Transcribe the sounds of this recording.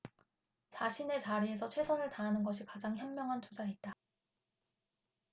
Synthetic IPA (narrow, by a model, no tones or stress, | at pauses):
t͡ɕaɕʰine̞t͡ɕaɾies̬ʰʌt͡ɕʰwe̞sʰʌnɯɭtaɦanɯnɡʌɕʰikad͡ʑaŋçjʌmːjʌŋɦant͡ɕʰosʰait̚t͈a